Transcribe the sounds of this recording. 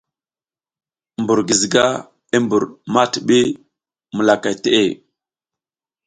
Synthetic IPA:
mbu˨ɾɡi˨zɡa˦ | i˦mbu˨ɾma˦tɓi˦ | mə˨la˨ka˨jte˦ʔe˦˨

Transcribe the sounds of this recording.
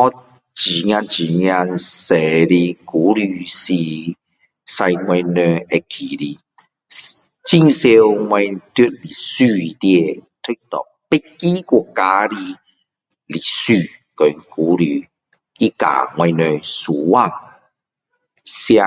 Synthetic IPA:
ɔ˦ | t͡ɕi˨˩ŋjã˧nt͡ɕi˨˩ɲja˧nse˨˩ɾi˧ku˨˦ɾy˧˩si˧ | sa˧jŋwɛ̃˧nø˧e˧kʰi˨˩ɾi˧ | t͡ɕi˧˩ŋse˧wŋwɛ˧nt̪u˦t̚li˨˩sy˥˧˨t̪je˧t̪ʰu˦t̪ɔ̰˨˩ | pe˦ki˦ku˧˨ka˧˦ɾi˧ | li˨˩sy˥˧˨kɔ˨ŋku˨˦ɾy˨˩ | i˦ka̰˨ŋwɛ˧nø˧su˨˩wa˧ŋ | sja˧

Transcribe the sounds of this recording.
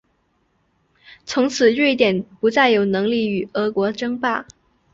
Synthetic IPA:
t͡sʰʊ˧˥ŋt͡sʰɹ̩˨˩ɻe˥˩ɪt̪jɛ˨˩npu˧˥t͡sa˥˩ɪjo˧˩ʊnɤ˧˥ŋli˥˩y˨˩ɤ˧˥kwɔ˧˥ʈ͡ʂɤ˥ŋpa˥˩

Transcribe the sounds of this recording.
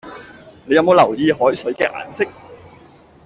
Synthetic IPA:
ne˨˧jɐ˧mo˨˧wlɐ˨˩wjiː˧ɦɔː˨˥jsɵ˨˥ɥkɛː˧ʔa̰ː˨˩nsɪ˥k̚

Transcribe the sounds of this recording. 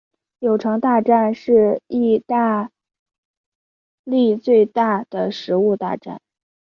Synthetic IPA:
jo˨˩ʊʈ͡ʂʰɤ˧˥ŋt̪a˥˧ʈ͡ʂa˥˧nʂɻ̩˥˧i˥˧t̪a˥˧ | li˥˧t͡swe˥˧ɪt̪a˥˩d̪̥ə˩ʂɻ̩˧˥u˥˧t̪a̰˥˧ʈ͡ʂa̰˥˩n

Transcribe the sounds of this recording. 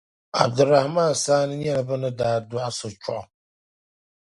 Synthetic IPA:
a̰˨b̚dʊ˨ɾa˨hmaː˦˨saː˦nɪ˦ɛ˦la˨ba˦nɨ˦daː˨dʊ˨˦a˦sʊ˨t͡ʃʰʊ̰˦ʔɔ˨

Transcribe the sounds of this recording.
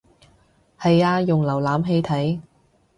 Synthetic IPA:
hɐ˨jaː˧jʊ˨ŋlɐ˨˩wlaː˨˥mɦe˧jt̪ʰɐ˨˥j

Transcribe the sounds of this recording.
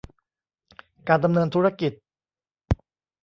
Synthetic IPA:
kaː˧nda˧mnɤː˧nt̪ʰuː˦˥ɾa˧˥ki˨˩t̪̚

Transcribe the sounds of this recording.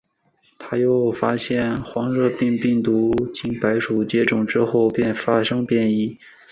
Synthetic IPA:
t̪ʰa˥jo˥˩ʊfa˥ɕjɛ˥˩nxwɑ˧˥ŋɻɤ˥˧pi˥˧ŋpi˥˩ŋt̪u˧˥t͡ɕi˧˥ŋpa˧˥ɪʂu˨˩t͡ɕjɛ˥ʈ͡ʂʊ˨˩ŋʈ͡ʂɻ̩˥xo˥˧ʊpjɛ˥˧˩nfa˥ʂɤ˥ŋpjɛ˥˧ni˥˩

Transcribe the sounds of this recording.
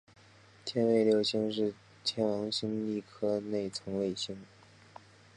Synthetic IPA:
t̪ʰjɛ˥nwe˥˧ɪljo˥˩ʊɕi˥ŋʂɻ̩˥˩ | t̪ʰjɛ˧˥nwɑ˧˥ŋɕi˥ŋli˥˩kʰɤ˥ne˥˩ɪt͡sʰɤ˧˥ŋwe˥˧ɪɕi˥ŋ

